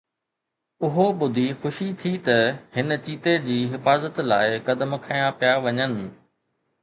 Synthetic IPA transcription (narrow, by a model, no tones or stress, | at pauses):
ʊɦoɓʊd̪ʱixʊʃit̪ʰit̪ɐhɪnə̆t͡ɕiːt̪ed͡ʑiːɦɪfaːzət̪laːɪkɐd̪əmkʰajãpijaʋɐɲənɪ̆